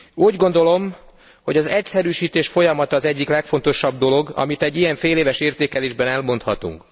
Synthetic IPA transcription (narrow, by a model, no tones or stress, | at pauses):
uːɟɡo̞nd̪o̞lo̞m | ho̞ɟɒzɛcsɛɾyːʃiːt̪eːʃfo̞jɒmɒt̪ɒːzɛɟːiklɛkfo̞nt̪o̞ʃɒbd̪o̞lo̞ɡɒ̰mit̪ɛɟːijɛɱfeːleːvɛʃeːrt̪eːkɛleːʒbɛnɛlmo̞nt̪hɒt̪ṵŋk